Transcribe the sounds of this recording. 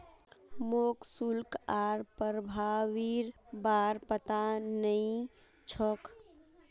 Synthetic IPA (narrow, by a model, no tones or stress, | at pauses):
moːksulkaːɾpəɾbʱawiɾbaːɾpət̪anəĩ | t͡ʃʰɔk